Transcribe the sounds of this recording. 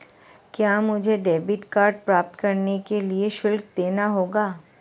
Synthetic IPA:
kjaːmʊd͡ʒʱeɖeːbɪʈkaːɾɖ̚pɾaːp̚t̪kɐɾnekelieʃʊlkd̪eːnaɦoːɡaː

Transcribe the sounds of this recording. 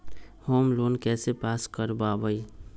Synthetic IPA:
hoːmloːnkɛːsepaːskəɾbabəi

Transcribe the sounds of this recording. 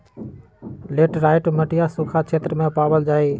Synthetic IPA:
leːʈɾaːɪʈməʈɪjasukʰat͡ʃʰeːt̪ɾəmẽpaːʋəld͡ʒaːi

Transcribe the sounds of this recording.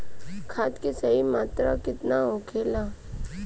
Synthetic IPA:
kʰaːt̪kesɐɦimaːt̪ɾa̰kɪt̪naɦokʰeːlaː

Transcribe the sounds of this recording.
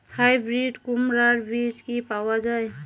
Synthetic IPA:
hajbɾiɖkumɾaɾbid͡ʒkipawad͡ʒaj

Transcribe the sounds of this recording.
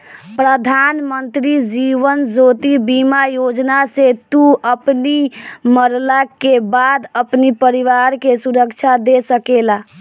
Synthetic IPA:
pɾəd̪ʱanmənt̪ɾid͡ʒiʋənd͡ʒot̪ibimajod͡ʒnaset̪uəpniməɾlakebad̪əpnipəɾiʋaɾkesuɾəkt͡ʃʰad̪esəkela

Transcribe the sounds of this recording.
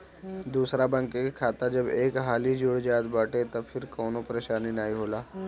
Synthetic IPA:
d̪uːsɾabə̃ŋkekikʰaːt̪ad͡ʒɐbeːkɦaːlid͡ʒʊɽd͡ʒaːt̪baːʈet̪ɐfʰɪɾkɔːnopɐɾeːʃaːninaːiɦoːlaː

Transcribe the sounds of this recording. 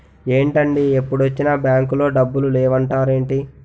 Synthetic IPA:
e̞ːɳʈɐɳɖiepːuɽuɐt͡ʃːinɐbjaːŋkulo̞ːɖɐbːululɛːʋɐɳʈaːɾe̞ːɳʈi

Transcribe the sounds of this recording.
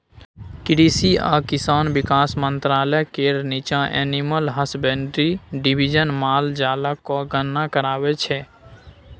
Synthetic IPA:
kɪɖisia̰ːkɪsaːnbɪkaːsmə̃nt̪ɾaːləkeɾnit͡ʃãʔɛːniməlɦəsbɛnɖɾiɖɪbʱid͡ʒənmaːld͡ʒaːləkoɡənːakəɾaːwet͡ʃʰɛː

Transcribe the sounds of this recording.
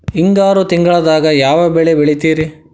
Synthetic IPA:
iŋɡaːɾut̪iŋɡɐɭɐd̪aːɡɐjaːʋɐbɛɭebeɭit̪iːɾi

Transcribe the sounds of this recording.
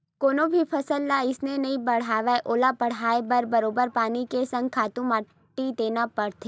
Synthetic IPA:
koːnõbʱipʰɐsəlːaɪsnenɐɦĩbɐɽ̤aːʋeʔoːlapɐɽ̤aːebəɾbɐɾoːbəɾpaːnikesɐ̃ŋɡ̚kʰaːt̪ũma | ʈːid̪eːnapɐɽt̪ʰeː

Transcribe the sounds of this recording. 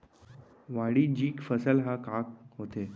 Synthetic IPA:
ʋaɽiːd͡ʑiːkfəsəlɦakak̚ɦot̪e

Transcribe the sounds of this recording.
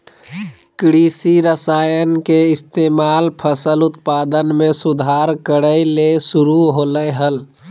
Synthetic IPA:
kɾisiɾəsaːjənkeɪst̪emaːlpʰəsəlʊt̪pad̪ənmẽsud̪ʱaɾkəɾəilesuɾuɦoləjɦəl

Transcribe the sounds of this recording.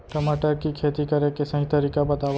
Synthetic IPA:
ʈəmaʈəɾkikʰeːt̪ikəɾekesə̃ɦĩt̪əɾiːkabət̪aːʋ

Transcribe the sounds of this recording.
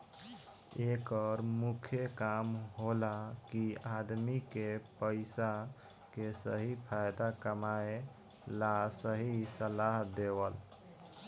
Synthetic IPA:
ekəɾmukʰjekamɦolakiad̪mikepəɪsa | kesəɦipʰajd̪akəmae | lasəɦisəlaɦd̪ewəl

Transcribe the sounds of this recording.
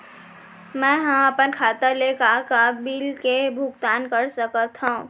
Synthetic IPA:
mɛ̃ɦə̃əpənkʰat̪əɾlekakabilkebʱuɡ̚t̪ankəɾsəkət̪ɦəũ

